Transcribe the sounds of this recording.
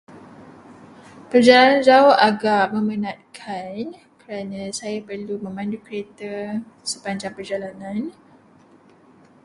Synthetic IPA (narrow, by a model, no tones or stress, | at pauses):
pərd͡ʒalanand͡ʒaaʔaɡaʔmə̃mənãt̪̚kʰan | kəɾanãsajapərlumə̃mãndukəɾet̪a | səpaɲd͡ʒaŋpərd͡ʒalanãn